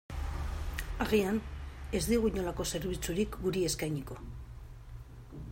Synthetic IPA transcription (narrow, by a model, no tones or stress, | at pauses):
aɣiane̞zd̪iɣuiɲo̞lako̞se̞ɾβit͡suɾikɡuɾie̞skajɲiko̞